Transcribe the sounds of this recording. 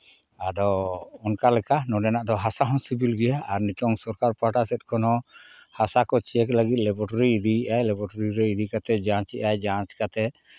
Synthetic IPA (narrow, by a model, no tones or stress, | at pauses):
ad̪ɔɔnkalɛkanɔɖɛnaʔd̪ɔɦasaɦɔnsibilɡɛjaʔaɾnɛtɔŋsɔɾkaɾpaʈasɛt̪̚kʰɔnɔ | hasakɔt͡ʃiɛkləɡit̪̚ˀlɛbɔʈɔɾiːd̪iʔajlɛbɔʈaɾiɾɛid̪ikat̪ɛd͡ʒãt͡ʃɛʔajd͡ʒãnt͡ʃkat̪ɛ